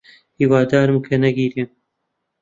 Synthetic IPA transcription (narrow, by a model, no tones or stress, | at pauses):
hiːwaːd̪aːɾɨmkʰɐnɛɡiːɾeːm